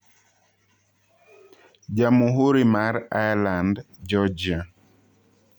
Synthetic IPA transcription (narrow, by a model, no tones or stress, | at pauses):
d͡ʒamuɦuɾimaɾajland | d͡ʒɔd͡ʒia